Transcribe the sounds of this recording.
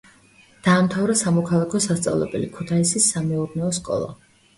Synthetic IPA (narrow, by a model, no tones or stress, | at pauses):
d̪̥aːmt̪ʰavɾasamɔkʰalˠakʰɔsast̪sʼa̰vlˠɛ̰bɛlikʰut̪ʰaisisːamɛuɾnɛɔskʼɔ̰lˠa̰